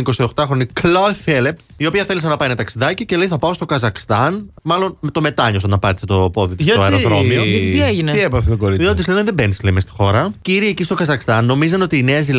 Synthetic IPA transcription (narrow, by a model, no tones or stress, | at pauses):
iko̞sio̞xt̪ɐxɾo̞nikloefelep̪ | io̞piɐθe̞lis̬ɐnɐpɐinɐt̪ɐksiðɐcice̞leiθɐpɐo̞st̪o̞kɐzɐkst̪ɐnmɐlo̞nmet̪o̞me̞t̪ɐɲosɐnɐpɐt̪i̥set̪o̞po̞ðit̪sʝɐt̪oɐeɾoðɾomioɐieʝineiepɐθet̪okoɾiot̪islemeðebenislemest̪i̥xo̞ɾɐciɾiecist̪okɐzɐkst̪ɐnːo̞mizɐno̞t̪iːneɐzil